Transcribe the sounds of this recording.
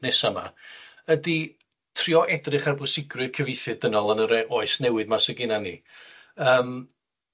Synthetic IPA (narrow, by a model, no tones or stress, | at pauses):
nɛsama̰ | ədi | tʰriːɔʔɛdrɨχarbʊsɪɡrɨð̥kʰəvɪjθɨdənɔlˠənəɾɛʔoːɨsnɛwɨðmasəɡɪnanḭ | əːm